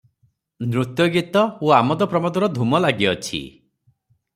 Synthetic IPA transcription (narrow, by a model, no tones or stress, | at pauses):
nɾut̪jɔɡit̪ɔuamɔd̪ɔpɾɔmɔd̪ɔɾɔd̪ʱumɔlaɡjɔt͡ʃʰḭ